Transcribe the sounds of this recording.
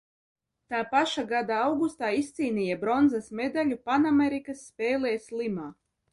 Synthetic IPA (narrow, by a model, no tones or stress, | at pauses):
t̪aːpaʃaɡad̪aawɡust̪aːist̪siːnijabɾɔnzasmed̪alʲupanameɾikasːpʲɛːlɛːslˠimaː